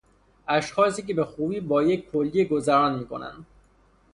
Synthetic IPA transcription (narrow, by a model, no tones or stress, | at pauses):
æʃxɒːs̬iːkebexuːbiːbɒːjekʲkʰːolːeɡozæɾɒːnmiːkʰo̞̰næ̰nd̪